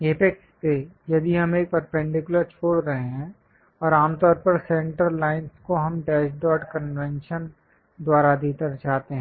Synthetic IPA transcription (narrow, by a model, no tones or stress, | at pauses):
eːpekspejɐd̪iɦɐmeːk̚pəɾpɛ̃ɳɖɪkjʊləɾt͡ʃʰoːɽɾɐɦeɦɛ̃ | ɔːɾaːmt̪ɔːɾpɐɾsɛ̃ɳʈəɾlaːɪnskoɦɐmɖɛːʃɖɔːʈkənʋɛ̃nʃən | d̪waːɾad̪iːt̪əɾd͡ʒaːt̪eɦɛ̃ː